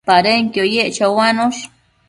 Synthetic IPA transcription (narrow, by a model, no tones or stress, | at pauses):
paɾeŋkjojeʔt͡ʃawanoʃ